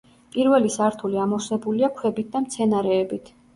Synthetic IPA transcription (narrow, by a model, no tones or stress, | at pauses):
pʼiɾvɛlisaɾt̪ʰuliamɔsɛbuliakʰwɛbit̪̚d̪amt̪sʰɛnaɾɛːbit̪ʰ